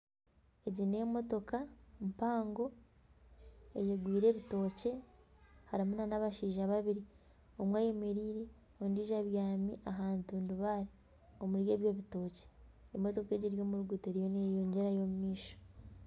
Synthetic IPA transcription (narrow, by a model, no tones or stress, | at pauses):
eɟine̞ːmo̞to̞kampaːŋɡo̞ | e̞jeɡwiːɾe̞ːβito̞ːce̞ | haɾimunanaβaʃiːʒaβaβiɾi | omwaːjemeɾiːɾe̞ | ondiːʒaβjaːmiʔaɦaːntuːnduβaːɾi | o̞muɾje̞ːβjo̞βito̞ːce̥ːmo̞to̞ke̞ːɟiɾjo̞ːmuɾuɡuteɾijo̞nejoːɲɟe̞ɾajo̞mumiːʃo̥